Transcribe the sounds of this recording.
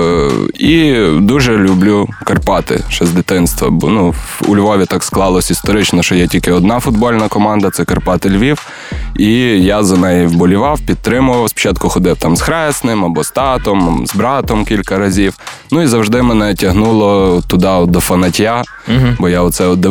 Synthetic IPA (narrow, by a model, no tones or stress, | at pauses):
id̪uʒɛlʲʊblʲukɐrpɑt̪ɪ̰ʃt͡ʃɛzʲd̪ɪt̪ɪnst̪ʋɐ̰bɔ̰nuṵlʲʋɔʋʲit̪ɑksklˠɑlˠɔsʲist̪ɔɾɪt͡ʃnɔʃt͡ʃɔjɛtʲilʲkɪɔd̪nɑfʊd̪̚bɔlʲnɐkɔmɑnd̪ɐt̪sɛkɐrpɑt̪ɪlʲʋʲiw | ijazɐnɛjiwbɔlʲʊʋɑwpʲid̪̚t̪ɾɪmʊʋɐwspɔ̥t͡ʃɑt̪̚kʊxɔd̪ɪwt̪ɑmsxɾɛsnɪmɐbɔst̪ɑt̪ɔmzbɾɑt̪ɔmkʲilʲkɐɾɐzʲiwnuizɐwʒd̪ɪmɛnɛtʲɐɦnulˠɔt̪ʊd̪ɑd̪ɔfɐnɐtʲja | bɔjaɔt̪sɛɔd̪ɪ